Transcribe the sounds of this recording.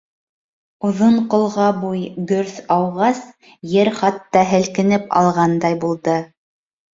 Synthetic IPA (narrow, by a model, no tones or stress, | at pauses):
uðoɴqŏlˠʁɑbujɡɵɾθɑwʁɑs | jɘɾχɑt̪ːɑɦɘ̆lkɘ̆nɘpɑ̰lˠʁɑnd̪ɑjbulˠd̪ɤ